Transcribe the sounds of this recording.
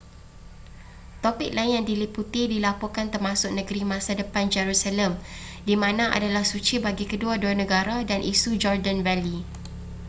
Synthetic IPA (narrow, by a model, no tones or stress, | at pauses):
t̪opɪk̚laɪnjaŋdiliput̪idilapɔkant̪ərmãsʊk̚nəɡəɾimãsadəpand͡ʒɛɾusalɛmdimãnãʔa̰dalahsut͡ʃibaɡikəduaduanə̃ɡaɾadanʔisud͡ʒɔrdanvɛli